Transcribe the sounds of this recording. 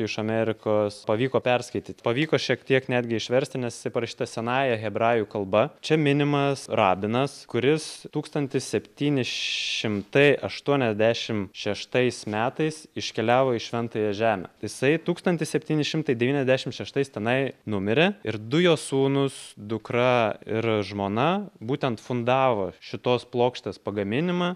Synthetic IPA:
ɪʃɐmʲɛɾʲɪkoːspɐʋʲiːkoːpʲɛɾskɐɪt̪ʲiːt̪ʲpɐʋʲiːkoːʃʲiɛk̚t̪ʲiɛknʲæːd̪ʲɡʲɪɪʃʲʋʲɛɾʲsʲt̪ʲɪnʲɛsjɪ̥sɐɪpɐɾɐʃʲi̥ːt̪ɐsʲɛnɑːjɛɣʲɛbɾɑːjukɐlˠbɐt͡ʃʲɛmʲɪnʲɪmɐsɾɑːbʲɪnɐskʊɾʲɪst̪uːkst̪ɐnʲt̪ʲɪssʲɛpʲt̪ʲiːnʲɪʃʲɪmt̪ɐɪʔɐʃt̪uɔnʲɛzʲd̪ʲæːʃʲɪmʃʲɛʃt̪ɐɪsmʲæːt̪ɐɪsɪʃʲkʲɛlʲæːʋoːɪʃʲʋʲɛnt̪oːjɛʒʲæːmʲɛ̰ːjɪsɐɪt̪uːkst̪ɐnʲt̪ʲɪssʲɛpʲt̪ʲiːnʲɪʃʲɪmt̪ɐɪd̪ʲɛʋʲiːnʲɛzʲd̪ʲæːʃʲɪmʃʲɛʃt̪ɐɪst̪ʲɛnɐɪnʊmʲɪɾʲeɪɾd̪ʊjoːsuːnʊsd̪ʊkɾɐɪɾʒmoːnɐbuːt̪ʲɛnt̪fʊnd̪ɑːʋoːʃʲɪt̪oːsplˠoːkʃʲt̪ʲeːspɐɡɐmʲɪnʲɪmɑː

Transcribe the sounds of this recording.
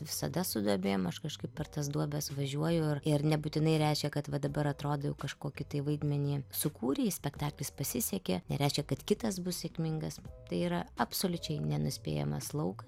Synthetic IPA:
ʋʲɪsɐd̪ɐsʊd̪ɐbʲeːjoːmɐʃkɐʃkɐɪppʲɛrt̪ɐs̬d̪uɔbʲɛsʋɐʒʲuɔjʊʊɪrɪrnʲɛbuːt̪ʲɪnɐɪɾʲɛɪʃʲkʲɛkɐt̪ʋɐd̪ɐbɐɾɐt̪ɾoːd̪ɐjɛʊkɐʃkoːkʲɪt̪ɐɪʋɐɪd̪ʲmʲɛnʲiːsʊkuːɾʲeːsʲpʲɛkt̪ɑːklʲɪspɐsʲɪsʲɛkʲenʲɛ̰ɾʲɛɪʃʲkʲɛkɐt̪kʲɪt̪ɐsbʊssʲɛkʲmʲɪŋɡɐst̪ɐɪiːɾɐɐpsoːlʲʊt͡ʃʲɛɪnʲɛnʊsʲpʲḛːjɛ̰mɐ̰slˠɐʊkɐ

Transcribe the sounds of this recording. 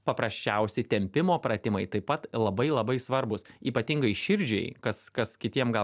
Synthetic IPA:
pɐpɾɐsʲt͡ʃʲɛʊsʲɛɪt̪ʲɛmʲpʲɪmoːpɾɐt̪ʲɪmɐɪt̪ɐɪpɐt̪lˠɐbɐɪlˠɐbɐɪsʋɐɾbʊsiːpɐt̪ʲɪŋɡɐɪʃʲɪɾʲd͡ʒʲɛ̰ɪkɐskɐskʲɪt̪ʲiɛmɡɐl

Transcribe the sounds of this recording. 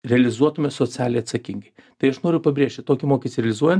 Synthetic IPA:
ɾʲɛɐlʲɪzuɔt̪ʊmʲɛsoːt͡s̪ʲæːlʲnʲejɐt̪sɐkʲiŋɡɐɪt̪ɐɪɐʃnoːɾʲɪjʊpɐbʲɾʲeːʃʲt̪ʲɪt̪oːkʲɪmoːkʲist̪ʲɪɾʲɛlʲɪzuɔjɛnt̪

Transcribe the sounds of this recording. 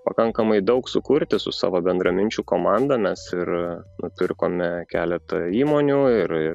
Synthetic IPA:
pɐkɐŋkɐmɐɪd̪ɐʊksʊkʊɾʲt̪ʲɪsʊ̰sɑ̰ːʋoːbʲɛnd̪ɾɐmʲɪnʲt͡ʃʲuːkoːmɑˑnd̪ɐmʲɛsɪɾnʊpʲɪrkoːmʲɛkʲæːlʲɛt̪ɐiːmoːnʲuːɪɾɪ

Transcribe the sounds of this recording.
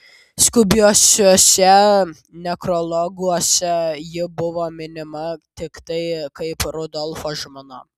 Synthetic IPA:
skʊbʲuɔsʲoːsʲɛ | nʲɛkɾolˠɔɡuɔsʲɛjɪbʊʋoːmʲɪnʲɪmɐt̪ʲɪkt̪ɐɪkɐɪpɾʊd̪ɔlˠfoːʒmono

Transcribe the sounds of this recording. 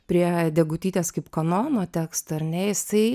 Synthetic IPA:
pʲɾʲiɛd̪ʲɛɡʊt̪ʲiːt̪ʲeːskɐɪpkonoːnoːt̪ʲæːkst̪oɐɾʲnʲɛjɪsɐɪ

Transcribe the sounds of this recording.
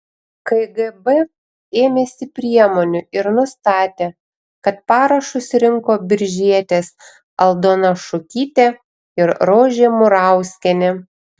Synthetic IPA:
kɐɡɛbɛ | eːmʲeːsʲɪpʲɾʲiɛmoːnʲʊɪɾnʊst̪ɑːt̪ʲeː | kɐt̪̚pɑːɾɐʃʊsɾʲɪŋkoːbʲɪɾʲʒʲiɛt̪ʲeːs | ɐlˠd̪oːnɐʃʊkʲiːt̪ʲe | ɪɾɾoːʒʲeːmʊɾɑˑʊsʲkʲɛnʲe

